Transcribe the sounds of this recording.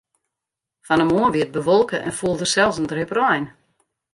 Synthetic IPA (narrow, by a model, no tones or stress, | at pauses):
fɔnəmoənʋiət̚bəʋɔlˠkəʔɛ̰nfuəlˠdərsɛlˠsəndrɪprɔjn